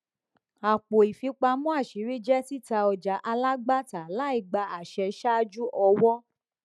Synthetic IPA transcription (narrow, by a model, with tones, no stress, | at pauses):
a˨k͡po˨i˨fi˨˧k͡pa˧mũ˦a˦˨ʃi˨˦ɾi˦d͡ʒɛ˦ti˦ta˧ɔ˧d͡ʒa˨˦ʔa˧la˦ɡ͡ba˦ta˨la˨˦i˦˨ɡ͡ba˧a˨ʃɛ˧ʃa˦d͡ʒu˦ʔɔ˧wɔ˦